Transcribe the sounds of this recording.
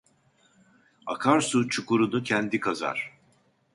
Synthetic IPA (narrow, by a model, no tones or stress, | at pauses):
a̰kʰaɾsut͡ʃʰukuɾunucʰɛnd̪ikʰaza̰ɾ̥